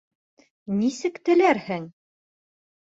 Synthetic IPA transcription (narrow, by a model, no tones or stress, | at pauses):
nisɘkt̪ɘ̆læɾhɘŋ